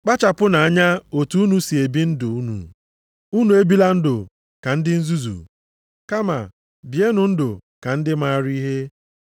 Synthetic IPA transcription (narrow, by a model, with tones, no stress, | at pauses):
k͡pa˦t͡ʃa˨pʊ˦na˨a˦ɲa˦o˨tu˦u˦nu˦si˨e˨bi˦n̩˦dʊ˨u˦nṵ˨ | u˦nu˨e˦bi˦la˦n̩˦dʊ˨ | ka˨n̩˦dɪ˦n̩˦zu˦zṵ˨ | ka˦ma̰˨ | bi˨e˦nʊ˨n̩˦dʊ˨ka˨n̩˦dɪ˦ma˦ɾi˦i˦ɦe˦